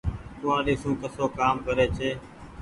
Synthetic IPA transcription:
k̪ʊːãːɗiːsũːkəsoːkaːmkəɾeːt͡ʃʰeː

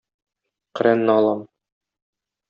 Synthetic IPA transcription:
q̆ɾænːɤɒlˠɑm

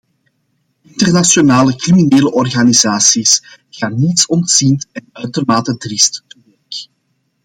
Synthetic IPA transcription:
ɪntərnasjonaːləkrimineːləʔɔrɣanizaːsis | ɣaːnːitsɔntsintɛnœɥtərmaːtədrɪstːubɛk

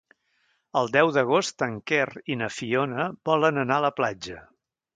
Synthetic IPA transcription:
əlˠd̪ɛwðəɣ̞ost̪əŋkerinəfionəbɔlənənaələplad͡ʒə

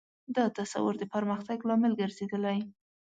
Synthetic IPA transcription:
d̪ɑt̪asa̰wʊɾd̪əpəɾməxt̪aɡlɑmɪlɡəɾz̥ed̪əlaj

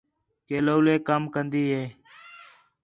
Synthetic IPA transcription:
keːloːleːkəmkənd̪iːɦeː

